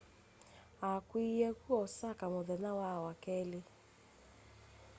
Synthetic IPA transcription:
akwiɛkuɔsakamoðɛnawawakɛle

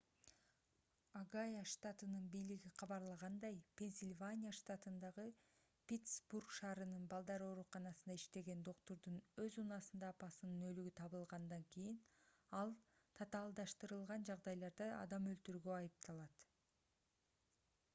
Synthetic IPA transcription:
aɡajaʃt̪at̪ɯnɯnbijliɡiqʰɑβɑɾlˠɑʁɑnd̪ɑjpʲe̞nsʲilʲvanʲijaʃt̪at̪ɯnd̪ɑʁɯ | pʲet̪sburkʃɑːɾɯnɯnbɑlˠd̪ɑɾo̞ɾuqɑnɑsɯnd̪aiʃt̪e̞ɡe̞nd̪o̞qt̪o̞ɾd̪unø̞zunɑsɯnd̪ɑːpɑsɯnɯnø̞lyɡyt̪ʰɑβɯlˠʁɑnd̪ɑŋkijin | ɑlˠ | t̪ʰɑt̪ɑːlˠd̪ɑʃt̪ɯɾɯlˠʁɑnd͡ʒɑʁd̪ɑjlˠɑɾd̪ɯɑ̰d̪ɑmølt̪yɾɡøɑjɯp̚t̪ʰɑlˠɑt̪

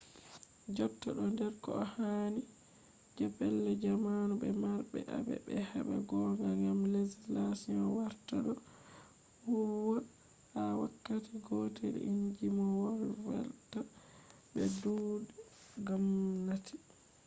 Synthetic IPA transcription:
d͡ʒɔp̚taɗɔndɛɾkɔ̰ɔhani | d͡ʒapɛlːɛd͡ʒamanubɛmaɾbɛ̰ʔa̰bɛ̰bɛhɛɓa̰ɡɔŋɡaŋɡamlezlasinɔwaɾtaɗɔ | wuwa | hawakːatiɡɔtɛɗɛ̰ʔiɲd͡ʒimɔwɔlwɛ̰lta | bɛduːdɛɡamnatʰi

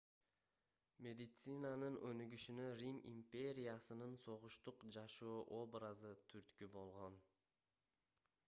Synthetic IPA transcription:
mʲe̞d̪ɪt̪sɨnanɯnønyɡyʃynøɾʲimḭmpʲe̞ɾʲɪjasɯnɯnso̞ʁʊʃt̪uqd͡ʒɑʃoːʔo̞bɾazɯt̪ʰyɾt̪kybo̞lˠʁo̞n

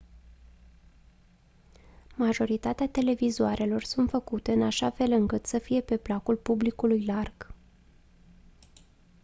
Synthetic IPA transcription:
maʒo̞ɾit̪at̪eat̪e̞le̞vizoaɾʔe̞lo̞rsunt̪fəkut̪e̞ɨnaʃafe̞lɨŋkɨt̪səfije̞pe̞plakulpublikulujlarɡ̥

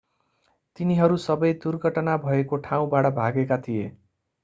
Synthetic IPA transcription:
t̪iniɦʌɾusʌbʌjd̪urɡʱʌʈʌnabʱʌekoʈʰaw̃baɽʌbʱaɡekat̪ʰije

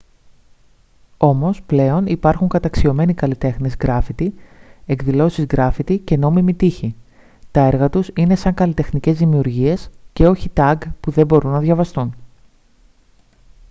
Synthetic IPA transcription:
o̞mo̞sple̞o̞nipɐɾxuŋkɐt̪ɐksio̞me̞nikɐlit̪e̞xnezɣɾɐfit̪ie̞kðilo̞sizɣɾɐfit̪ice̞no̞mimit̪içi | t̪ɐe̞ɾɣɐt̪usine̞sɐŋkɐlit̪e̞xnice̞zðimiuɾʝie̞sce̞o̞çit̪ɐɡpuðe̞bo̞ɾunːɐðʝɐvɐst̪un

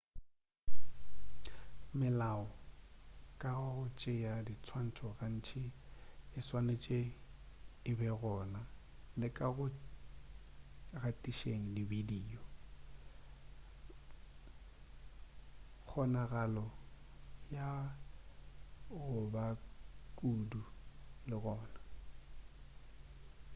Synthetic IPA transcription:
mɪlaɔ | kʼaɣʊt͡ʃʼɪjadit͡sʰwan̩t͡sʰɔɣan̩t͡ʃʰɪɪswanet͡ʃʼe | ɪbɛɣɔːna | lɪkʼaɣʊ | ɣatʼiʃeŋ̩dibidiːɔ | k͡xʰɔnaɣalɔ | ja | ʊbakʼuːdulɪɣɔːna

